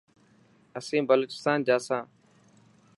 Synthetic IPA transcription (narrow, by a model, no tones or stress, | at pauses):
əsẽːbəloːt͡ʃɪ̥st̪aːnd͡ʒaːsãː